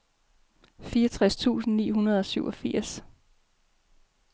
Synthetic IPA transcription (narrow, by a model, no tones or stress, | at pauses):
fiːɒt͡sʰʁast͡sʰṵːsn̩nḭːɦunɐð̞̩ˠɒ̽syʊʔɒ̽fiɐ̰s